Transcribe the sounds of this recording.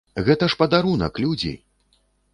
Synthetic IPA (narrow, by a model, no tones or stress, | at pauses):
ɣɛt̪ɐʂpɐd̪aɾunɐ̰klʲud͡zʲḭ